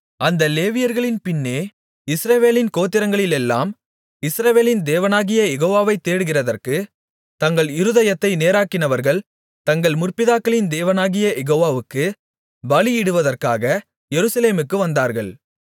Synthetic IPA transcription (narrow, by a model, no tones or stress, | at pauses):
ɐnd̪ɐleːʋɪjɐɾɣɐɭɪnpɪnːeː | ɪsɾɐʋeːlɪnkoːt̪ːɪɾɐŋɡɐɭɪlɛlːa̰ːm | ɪsɾɐʋeːlɪnd̪eːʋɐnaːɣɪjɐjɛɣoːʋaːʋɐɪt̪ːeːɽɯɣɪrɐðɐrkɯ | t̪ɐŋɡɐɭɪɾɯðɐjɐt̪ːɐɪneːɾaːkːɪnɐʋɐɾɣɐɭ | t̪ɐŋɡɐɭmʊrpɪðaːkːɐɭɪnd̪eːʋɐnaːɣɪjɐjɛɣoːʋaːʋɯkːɯ | bɐlɪjɪɽɯʋɐðɐrkaːɣɐ | jɛɾɯsɐleːmɯkːɯʋɐnd̪aːɾɣɐɭ